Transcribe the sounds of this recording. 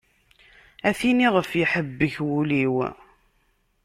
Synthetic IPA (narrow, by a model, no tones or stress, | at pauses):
æθiniʁəfjiħəbːəçwuliw